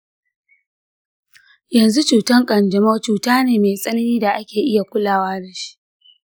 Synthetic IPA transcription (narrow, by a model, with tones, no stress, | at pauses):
jɐ˨nzu˦t͡ʃuː˨tɐ˦ŋkʼɐ˨nd͡ʒɐ˨ma˦t͡ʃuː˨taː˦neː˨meː˨sʼɐ˦nɐ˦niː˦da˨ʔa˦kʲeː˨ʔɪ˦ja˨kʷʊ˦laː˦waː˦da˨ʃi̥˦ʔ